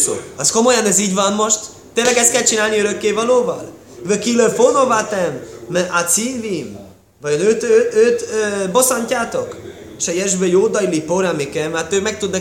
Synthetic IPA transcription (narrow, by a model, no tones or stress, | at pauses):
ɒsko̞mo̞jɒnɛziːɟvɒnmo̞ʃt̪ | t̪ːeːnlːɛɡɛst̪kɛlt͡ʃinaːlniøɾøkːeːvɒloːvɒ̰l | vøkiløfono̞vat̪ɛmʔasiːvim | vɒjonøt̪øøt̪øbo̞sɒɲcaːt̪o̞k | eʃɛjɛʒbøjoːd̪ɒjlipoɾamikɛmat̪øːmɛk̚t̪ud̪nɒ